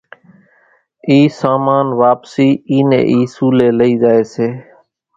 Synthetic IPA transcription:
iːsaːmaːnʋaːpsiːiːnḛːʔiːsuːleːləiːzaːeːseː

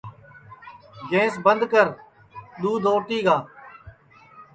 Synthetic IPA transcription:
ɡẽːsbənd̪kəɾ | ɗ̪uːd̪ʱoːʈiːɡaː

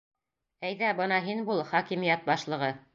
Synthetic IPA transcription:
æjðæbɤnɑɦinbulˠχɑkimĭjæt̪̚bɑʃlˠɤ̆ʁɤ

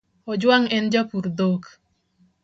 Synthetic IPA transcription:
ɔd͡ʒwaŋɛnd͡ʒapuɾdok

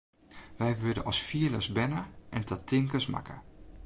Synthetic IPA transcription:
ʋɛjʋødəʔɔsfiələsbɛnəʔɛntʰətʰɪŋkəsma̰kə̰

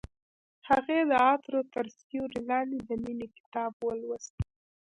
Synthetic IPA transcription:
haɣed̪əɑt̪ɾot̪aɾsoɾilɑnid̪əminekɪ̥t̪ɑbwəlwəst̪

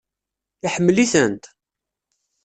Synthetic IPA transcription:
iħəmːliθənt̪

